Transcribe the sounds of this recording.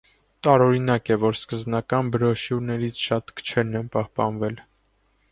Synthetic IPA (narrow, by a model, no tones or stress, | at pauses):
t̪ɑɾɔɾinɑkɛvɔɾskəzbnɑkɑnbəɾɔʃjuɾnɛɾit͡sʰʃɑt̪kə̥t͡ʃʰɛɾnɛnpɑhpɑnvɛl